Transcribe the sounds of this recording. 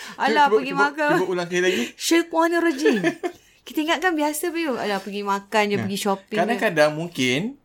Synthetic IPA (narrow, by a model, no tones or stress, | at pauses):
ʔalapəɡimãkabulaŋkajilaɡiʃəkwanəɾəd͡ʒiŋ | ki̥t̪əiŋaʔkanbiasəbəjoa̰lapəɡimãkand͡ʒapəɡiʃɔpiadakadaŋmuŋkɪn